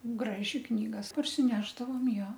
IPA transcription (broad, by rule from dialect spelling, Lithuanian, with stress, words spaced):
ˈɡrɑːʒʲɪ ˈknʲiːɡɐs pɐrʲsʲɪˈnʲæːʒdɐʋoːm ˈjoː